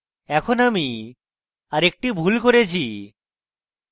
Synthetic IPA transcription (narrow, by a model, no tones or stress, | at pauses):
ɛkʰonami | aɾek̚ʈibʱulkoɾet͡ɕʰi